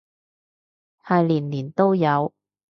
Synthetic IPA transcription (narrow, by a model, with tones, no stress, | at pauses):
hɐ˨jliː˨˩nliː˨˩nt̪o˥wjɐ˨˧w